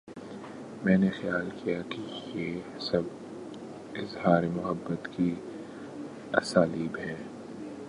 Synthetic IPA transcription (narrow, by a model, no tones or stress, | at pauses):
mɛ̃ːnexɐjaːlkʰijakijeː | sɐb | ɪzhaːɾemʊɦəbːət̪ki | ɐ̰saːliːbɦɛ̃ː